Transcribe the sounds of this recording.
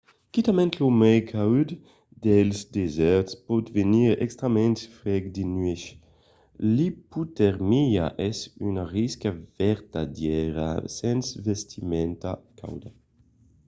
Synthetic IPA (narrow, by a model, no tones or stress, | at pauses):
kit̪amɛ̃nt̪lomɛjkʰawd̪ | d̪ɛlsd̪ezɛɾt̪spɔt̪veniʁɛ̰kst̪ɾamɛ̃nt̪fɾɛɡd̪inɥeʃ | liput̪ɛʁmija̰ʔɛsynaʁiskavɛɾt̪ad̪jɛɾa̰sɛnsvest̪ʰimɛnt̪akʰa̰wd̪a